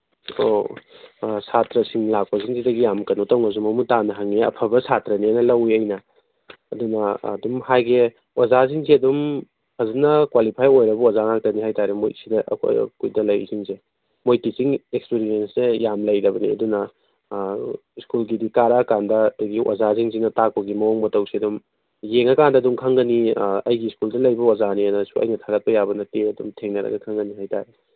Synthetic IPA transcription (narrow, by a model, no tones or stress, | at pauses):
o̰ | satɾɐsiŋlak̚pɐziŋzidɐɡijamkɐnotɐwŋɐz̬umɐmutanɐɦaŋiɐ̰pʰɐbɐsatɾɐnianɐlɐwiɐjnɐ | ɐdunɐdumhajɡe | wazaz̬iŋziɐdum | ɐzinɐkwalipʰajojɾɐbɐwazaŋak̚tɐniɦajtaɾemojsidɐ̰kkujdɐlɐj̰ziŋze | mojtisiŋekspiɾiensnejamlɐjɾɐbɐnḭɐ̰dunɐ | skulɡidikaɾakandɐduɡiwʔa̰zaziŋziŋnɐtak̚pɐɡimɐoŋmɐtɐwsiɐdum | jeŋɐkandɐdumkʰaŋɡɐniɐjɡiskuldɐlɐjbɐwazanianɐsuɐ̰jnɐtʰaɡɐt̚pɐjabɐnɐteɐdumtʰeŋnɐɾɐ̰ɡɐkʰaŋɡɐniɦajta̰ɾe